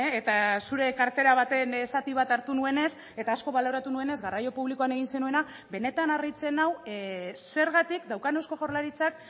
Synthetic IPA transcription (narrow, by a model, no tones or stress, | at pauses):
et̪asuɾe̞kaɾt̪e̞ɾaβ̞at̪e̞nesat̪iβ̞at̪aɾt̪unue̞ne̞s | e̞t̪aːsko̞βalo̞ɾat̪unue̞ne̞zɣarajo̞puβliko̞ane̞ɣ̞inse̞nue̞na | βe̞ne̞t̪anarit͡se̞nawse̞ɾɣat̪ikd̪awkane̞wsko̞ʝo̞ɾlaɾit͡sak̚